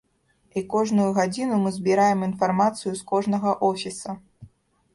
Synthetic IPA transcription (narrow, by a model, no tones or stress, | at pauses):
ikɔʐnujuɣad͡zʲinumɨzʲbʲiɾajɛminfarmat̪sɨjuskɔʐn̪ɐɣɐʔɔfʲisɐ